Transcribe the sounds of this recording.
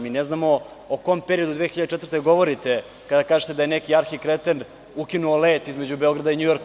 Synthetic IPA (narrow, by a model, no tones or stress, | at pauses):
miːneznamo̞ | okompeɾio̞d̪ud̪ʋeːxiʎad̪et͡ʃɛt̪vɾt̪eɡo̞ʋo̞ɾit̪e̞ | kad̪akaːʒet̪ed̪ajenekiaɾxikɾet̪en | ukinuoleːt̪izme̞d͡ʑubeo̞ɡɾad̪aiɲujo̞ɾk